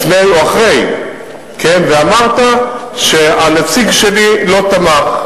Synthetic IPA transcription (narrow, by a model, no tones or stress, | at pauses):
fnejuaχʁe̞j | kʰenveamaʁt̪aʃealat͡siɡʃelilo̞t̪amaχ